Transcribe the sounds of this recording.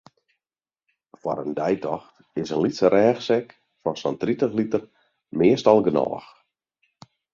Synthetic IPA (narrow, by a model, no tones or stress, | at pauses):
fwa̰ɾəndɛjtɔxt | ɪsənlitsəɾɛːxsɛk | fɔnsɔntritəxlitər | mɪəstɔlˠɡənɔ̰ːx